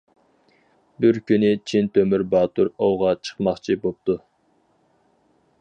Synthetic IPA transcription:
bɪɾkʲynɪt͡ʃʰint̪ʰømyɾbɑːt̪uɾowʁɑt͡ʃʰə̥χmɑχt͡ʃʰibop̚t̪u

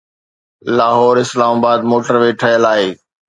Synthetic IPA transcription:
laːɦɔːɾɪslaːmaːbaːd̪moːʈəɾʋeːʈʰəjəlaːɦeː

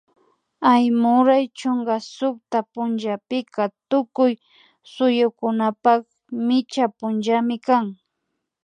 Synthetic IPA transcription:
ajmʊɾajt͡ʃoŋɡasʊkt̪apʊnʒapɪkat̪ʊkʊj | sʊjʊkʊnapak | mɪt͡ʃapʊnʒamɪkaŋ

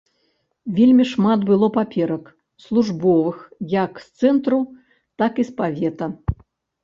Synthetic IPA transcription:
vʲelʲmʲiʂmat̪bɨlˠɔpapʲɛɾɐk | slˠuʐbɔvɨxjɐkst̪sɛnt̪ɾu | t̪akispavʲɛt̪ɐ

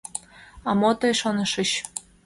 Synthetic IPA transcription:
ɑmot̪ɤjʃonɤ̆ʃə̆ɕ

